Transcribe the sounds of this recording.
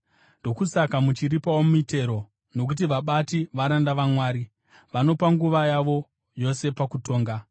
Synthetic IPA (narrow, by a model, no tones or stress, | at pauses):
ndo̞kusakamut͡ʃiripawomuite̞ɾo̞ | no̞k̬ut̬iʋaɓatiʋaɾandaʋamwaːɾi | ʋano̞paŋɡuʋajaʋo̞ | jo̞se̞pakuto̞ːŋɡa